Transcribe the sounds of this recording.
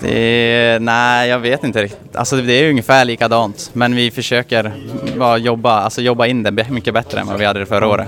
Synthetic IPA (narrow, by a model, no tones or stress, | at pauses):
d̪ɛ̰næjɑːɡveːt̪ɪnt̪əɾɪkt̪ɪ̥t̪ʰa̰lsɔd̪ɛæɾjɵŋːəfæːɭiːkad̪ɑːnt̪mɛnvɪfœʂøːkəɾvɑjɔbːaalsɔjɔbːaɪnːd̪ɛbɛmʏkːəbɛt̪ːɾə̰ɛ̰nva̰vɪhad̪ːəfœɾaoːɾə̰t̪